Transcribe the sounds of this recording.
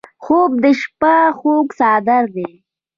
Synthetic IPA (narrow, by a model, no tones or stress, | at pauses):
xob̚d̪əʃpaxoksɑːd̪aɾd̪e